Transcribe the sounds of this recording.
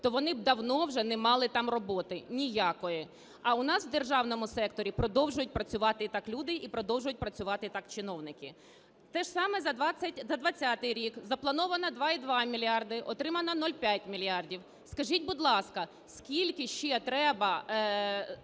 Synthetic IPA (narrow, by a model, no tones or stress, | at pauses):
t̪ɔʋɔnɪb̚d̪ɐwnɔwʒɛnɛmɑlˠɪt̪ɑmrɔbɔt̪ɪnʲijakɔjɛ | ɐʊn̪ɑsʋwd̪erʒɑwnɔmʊsɛkt̪ɔɾʲipɾɔd̪ɔwʒʊjʊt̚ʲpɾɐt͡sʲʊʋɑt̪ɪt̪ɑklʲud̪ɪʔipɾɔd̪ɔwʒʊjʊt̚ʲpɾɐt͡sʲʊʋɑt̪ɪt̪ɑkt͡ʃɪnɔwnɪkɪ | t̪ɛʒsɑmɛzɐd̪ʋɑɐtʲzɐd̪ʋɐt͡sʲːat̪ɪjɾʲikzɐplˠɐnɔʋɐnɐd̪ʋɑid̪ʋɑmʲilʲiɑrd̪ɪʔɔt̪ɾɪmɐnɐnɔlʲpʲjat̚ʲmʲilʲjɑrdʲiw | skɐʒitʲbʊd̪lˠɑskɐ | skʲilʲkɪʃt͡ʃɛt̪ɾɛbɐ